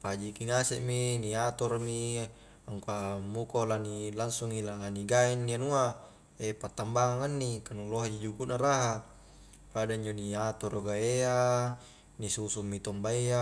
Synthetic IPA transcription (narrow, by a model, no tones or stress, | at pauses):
pad͡ʒikiŋasɛʔminiat̪ɔrmi | aŋkamukolanilaŋsuŋilaniɡaɛnːianua | epat̪ambaŋaŋanːikanuloɦad͡ʒid͡ʒukuʔnaɾaɦa | padaiɲd͡ʒoniat̪ɔɾoɡaea | nisusumːit̪ɔmbaia